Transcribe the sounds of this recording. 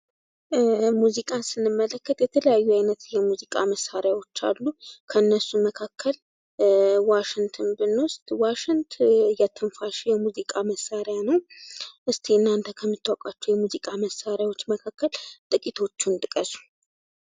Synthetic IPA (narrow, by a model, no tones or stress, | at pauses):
muzikʼasɨnːɨmːələkːət̪jɛt̪ʰələjajːuajnət̪jɛmuzikʼaməsːaɾjawo̞t͡ʃːa̰lːukʰəɨnːəsːuməkʰakʰːəl | waʃɪŋt̪ʰɨnbɨnːost̪ʼwaʃɪnt̪ʰjɛt̪ʰɨnfaʃjɛmuzikʼaməsːaɾjanəwʔɨst̪ʰeɨnːant̪ʰəkʰəmːɨt̪ʰːwakʼat͡ʃːujɛmuzikʼaməsːaɾjawo̞t͡ʃːməkʰakːəlt̪ʼɨkʼit̪ʰo̞t͡ʃːunt̪ʼɨkʼəsu̥